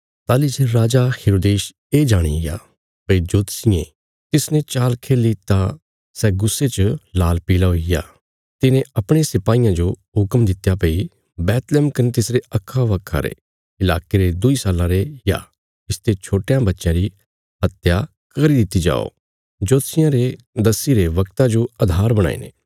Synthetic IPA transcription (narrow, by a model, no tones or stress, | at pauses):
t̪aːliseɾaːd͡ʒaheːɾoːd̪eːʃ | eːd͡ʒaːɽ̃ḭɪja̰ | pɐid͡ʒoːt̪sɪjẽ | t̪ɪsnẽt͡ʃaːlkʰeːlit̪ã | sɛɡʊsːet͡ʃəlaːlpiːlaɦoɪja̰ː | t̪ɪnẽɐpɽ̃esɪpaːijãd͡ʒo | ɦʊkəmd̪ɪt̪ːjapɐi | bɛːt̪lɛːmkɐnet̪ɪsɾeɐkʰːaʋɐkʰa̰ɾḛ | ɪla̰ːkeɾed̪ʊisaːlãɾeja̰ | ɪst̪et͡ʃʰoːʈejãbɐtːʃjãɾi | ɦɐt̪ja | kɐɾid̪ɪt̪ːid͡ʒa̰ːo̰ | d͡ʒoːt̪sɪjãɾe | d̪ɐsiɾeʋɐkt̪ad͡ʒoɐd̪ʱaːɾbɐɽ̃a̰ːḭːnḛː